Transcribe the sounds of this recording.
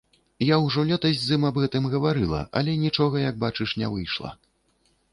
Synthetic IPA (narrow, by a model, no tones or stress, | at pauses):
jawʐɔlʲɛt̪ɐzʲzɨmɐbɣɛt̪ɨmɣɐvaɾɨlˠɐ̰ʔɐ̰lʲɛnʲit͡ʂɔɣɐjɐɡ̚bat͡ʂɨʂnʲɛvɨjʂlˠɐ̰